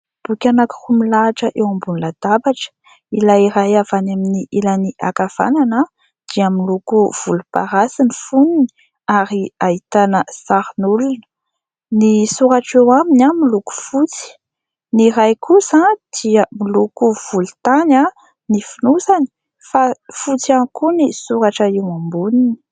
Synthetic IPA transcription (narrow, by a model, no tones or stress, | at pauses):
b̥ukʲanaku̥rumilaʈ͡ʂəʔewambunlad̪̥abaʈ͡ʂə̥ | ilaiɾajavanaminiʔilaniʔa̰kav̥a̰nana | d̪̥iəmilukuv̥ulupa̰ɾasinifunini̥ | aɾiait̪anəsaɾinulunə̥ | nisuɾaʈ͡ʂewaminamiluku̥fut͡si̥ | niɾajkʰusãd̪̥iəmilukuv̥ulut̪ana | nifinusani̥ | fafut͡sianikunisuɾaʈ͡ʂəiwambunini̥